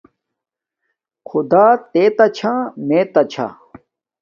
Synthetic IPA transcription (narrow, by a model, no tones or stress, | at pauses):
kʰud̪aːt̪eːt̪ɐt͡ɕʰamẽt̪ɐt͡ɕʰa̰